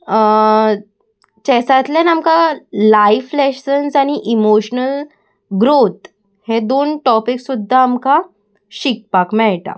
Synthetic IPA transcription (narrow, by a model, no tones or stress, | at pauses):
t͡ɕɛsat̪lanamkalajflɛɕənsaɽ̃iʔimoɕnəl | ɡɾot̪ | hed̪onʈɔpiksud̪ʱːaːmka | ɕik̚pakmɛʈa̰